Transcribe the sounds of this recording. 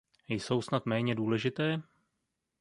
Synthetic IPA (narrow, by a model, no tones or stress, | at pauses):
jso̞wsnat̪mɛːɲɛduːlɛʒɪt̪ɛː